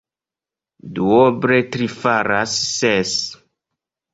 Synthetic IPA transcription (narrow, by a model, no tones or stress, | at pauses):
duobɾetɾifaɾasːes